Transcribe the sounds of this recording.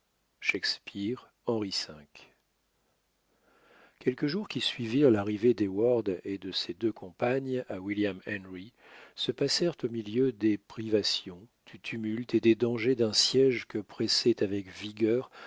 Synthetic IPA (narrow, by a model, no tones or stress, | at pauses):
ʃɛkspiʁ | ɑ̃ʁisɛ̃k | kʲɛlkəʒuʁkʲisɥiviʁlaʁived̪ewaʁd̪ed̪əsed̪økʰɔ̃paɲawiljamɛnʁi | səpasɛʁt̪omiljød̪epχivasjɔ̃d̪̥yt̪ʰymylt̪ed̪ed̪ɑ̃ʒed̪ɛ̃sjɛʒkəpχɛsɛt̪avɛkviɡʲœːʁ